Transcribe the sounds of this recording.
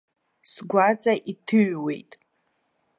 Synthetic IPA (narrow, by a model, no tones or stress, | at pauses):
sɡʷat͡sʼaʔitʰɨɥwe̞̰jtʼ